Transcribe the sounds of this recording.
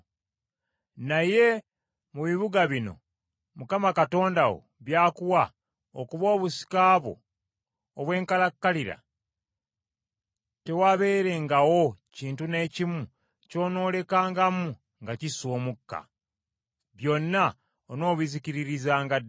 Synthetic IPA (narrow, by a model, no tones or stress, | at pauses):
naje̞ | muβiβuɡaβino̞̰ | mukamakato̞ːndawo̰βjaːkuwa | okuβo̞ːβusi̥kaːβo̰ː | βwe̞ːŋkalakːaliɾa̰ | te̞waβe̞ːɾe̞ŋɡawo̞ciːntune̞ːcimu | co̞ːno̞ːle̞kaːŋɡamu | ŋɡaciso̞ːmukːa̰ | βjo̞nːa | ono̞ːβiziciɾiɾizaːŋɡa